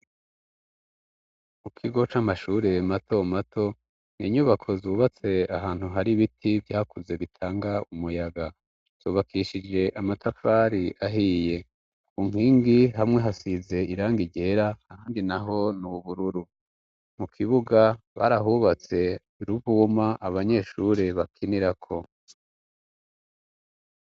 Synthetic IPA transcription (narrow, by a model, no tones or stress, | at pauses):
mukʰiɡo̞t͡ʃamaʃuːɾe̞matʰo̞matʰo̞ | n̥iːɲuβakʰo̞zuːβat͡se̞aɦaːn̥huɦaɾiβitʰivjaːkuze̞βitʰaːŋɡaumujaɡa | z̥uːβakʰiʃid͡ʒe̞ʔamatʰafaːɾiʔaɦije̞ | uŋ̥hiːŋɡiɦamŋe̞ɦasize̞iɾaːŋɡiɟe̞ɾaːhaːndinaɦo̞nuuβuɾuɾu | mukʰiβuɡaβa̰ɾaɦuβat͡se̞ | ɾuvuːmaʔaβaɲe̞ːʃuɾeβakʰiniɾakʰo̞